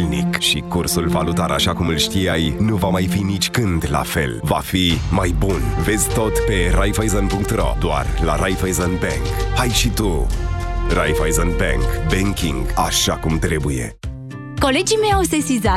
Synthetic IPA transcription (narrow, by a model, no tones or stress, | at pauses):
lnḭkʃikursulvalut̪aɾa̰ʃakumɨlʃt̪iajnuvamajfinit͡ʃʲkɨnd̪la̰fe̞̰lva̰fimajbunve̞zʲt̪o̞t̪pe̞ɾajvajzonpuŋk̚t̪ro̞̰d̪oa̰rla̰ɾʔajvajzonbḛŋkajʃit̪u | ra̰jvajzonbḛŋkbeŋkʲḭŋɡa̰ʃakumt̪ɾe̞buje̞̰ | ko̞le̞d͡ʒimejawsesiza